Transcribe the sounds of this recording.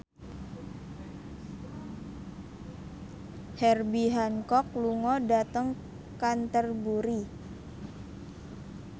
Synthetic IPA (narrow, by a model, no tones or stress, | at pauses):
hɛrbiɦankɔk̚luŋɔdat̪əŋ | kant̪ərbuɾi